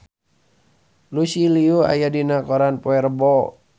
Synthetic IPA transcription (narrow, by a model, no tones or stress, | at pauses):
lusiliua̰jadinakɔɾanpɔɛrbɔ